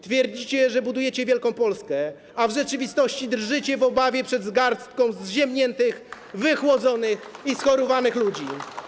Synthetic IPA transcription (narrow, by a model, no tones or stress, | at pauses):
t̪fʲjɛɾd͡ʑit͡ɕɛʐɛbud̪ujɛt͡ɕɛvʲjɛlkɔ̃w̃pɔlskɛ | avʐɛt͡ʂɘvʲist̪ɔɕt͡ɕid̪rʐɘt͡ɕɛvɔbavʲjɛpʂɛd̪zɡaɾst̪kɔ̃w̃zʑɛmɲɛnt̪ɘx | vɘxwɔd̪zɔnɘxisxɔɾɔvanɘxlud͡ʑi